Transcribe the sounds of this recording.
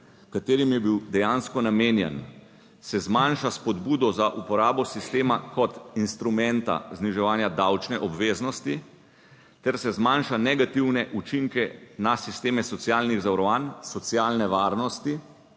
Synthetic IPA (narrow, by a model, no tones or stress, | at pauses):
kat̪eːɾimjɛbiwd̪ɛjanskɔnameːnjɛ̰n | sɛzmanʃaspɔd̪buːd̪ɔzaʔupɔɾaːbɔsist̪eːmakɔt̪inst̪ɾumɛ̃nt̪a̰zniʒɛʋaːnjad̪awt͡ʃnɛʔɔbʋeːznɔst̪i | t̪ɛɾsɛzmanʃanɛɡat̪iwnɛʔut͡ʃiŋkɛnasist̪eːmɛsɔt̪sjaːlniɣzawɾɔʋansɔt̪sjaːlnɛʋaːɾnɔst̪i